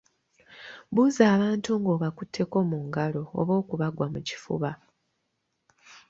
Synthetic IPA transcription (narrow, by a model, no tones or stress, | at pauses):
βuzaːβaːntuŋɡo̞ːβakutʰːe̞ko̞muŋɡalo̞̰ːβo̞ːkuβaɡwamuci̥fṵβa